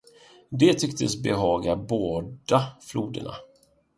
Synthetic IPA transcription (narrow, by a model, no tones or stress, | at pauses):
d̪ɛt̪ʰʏkt̪əsbɛɦɑːɡaboːd̪afluːd̪ə̰ɳa̰